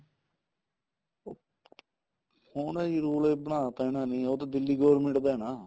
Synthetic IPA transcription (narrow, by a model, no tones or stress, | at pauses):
oː | hoːnaːiːɾuːlebnaːt̪aɪnaːnĩːoːt̪ad̪ɪlːiːɡoːɾmɪ̃ɳʈd̪aːɛːnaː